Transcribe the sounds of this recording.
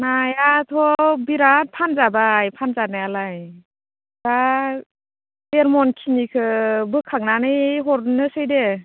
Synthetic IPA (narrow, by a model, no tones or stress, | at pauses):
najatʰɔbiɾat̚pʰanzabajpʰanzanajalaj | d̥a | eɾmɔnkʰinikʰɯbɯkʰak̚nanɯjɦɔɾnɯsɯjde